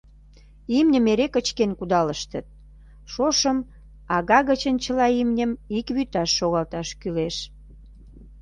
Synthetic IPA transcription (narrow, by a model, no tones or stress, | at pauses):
imnʲəmeɾekət͡ɕkenkud̪ɑləʃt̪ə̆t̪̚ | ʃoʃəm | ɑɣɑɣət͡ɕənt͡ɕəlɑimnʲəmikβyt̪ɑʃːoɣɑlt̪ɑʃkyleʃ